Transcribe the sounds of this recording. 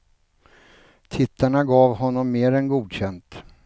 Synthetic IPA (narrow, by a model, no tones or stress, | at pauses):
t̪ʰɪt̪ːaɳaɡɑːvɦɔnːɔmːeːɾɛnɡuːd̪ɕɛnt̪